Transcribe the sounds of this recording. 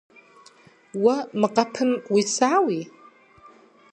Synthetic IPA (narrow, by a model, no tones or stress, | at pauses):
wamɨqʼapʰɨmwisawi